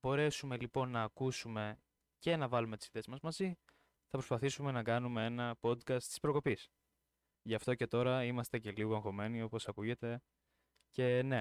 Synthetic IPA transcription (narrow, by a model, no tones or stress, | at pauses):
bo̞ɾe̞sume̞lipo̞nːɐːkusume̞ | ce̞nɐvɐlume̞t̪isi̥θeszmɐzmɐzi | θɐpɾo̞spɐθisume̞nɐkɐnume̞e̞nɐpo̞d̪kɐst̪i̥spɾo̞ko̞pis | ʝɐft̪o̞ce̞t̪o̞ɾɐimɐst̪e̞ce̞liɣoeŋxo̞me̞nio̞po̞sɐkuʝe̞t̪e̞ | ce̞ne̞